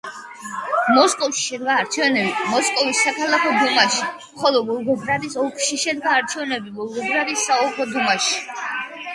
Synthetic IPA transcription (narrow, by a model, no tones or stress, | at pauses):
mɔskʼɔfʃi̥ʃɛd̪ɡaːɾt͡ʃʰɛnɛbimɔskʼɔvisːakʰalˠakʰɔd̪umaʃimχɔlˠɔbɔlˠɡɔɡɾad̪isɔkʰʃiʃɛd̪ɡaːɾt͡ʃʰɛvnɛbibɔlˠɡɔɡɾad̪isːaɔkʰɔd̪umaʃi̥